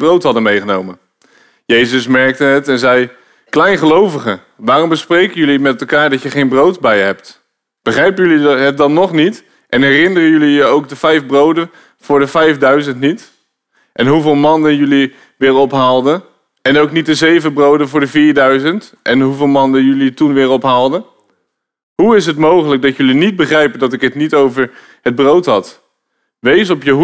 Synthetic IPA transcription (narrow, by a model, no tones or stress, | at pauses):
browtɦɑdənmejχənowmən | jejzəsmɛɹk̚təətɛnzɛj | klɛjnχəlowvəχə | ʋaːrɔmbəsprejkənjɵlimɛtɛlˠkaːɹdɑtjəχejnbrowtbɛjəɦɛpt | b̥əχrɛjpəjɵliɦət̚dɑnnɔχnit | ʔɛnɦɛrɪnərəjɵlijəowk̚dəvɛjfbrowdə | v̥ʊːɹdəvɛjfdœɥzəntnit | ʔɛnɦuvɪːlˠmɑndənjɵli | ʋɪːɹɔpɦaːlˠdə | ɛnowknit̚dəzejvəbrowdənvʊːɹdəviːɹdœɥzənt | ʔɛnɦuvɪːlˠmɑndənjɵlitunʋɪːɹɔpɦaːlˠdə | ɦuɪsɦətmowχələk̚dɑtjɵlinid̚bəχrɛjpəndɑtɪkɦətnitowvəɹ | həd̚browtɦɑt | ʋejsɔpjəɦ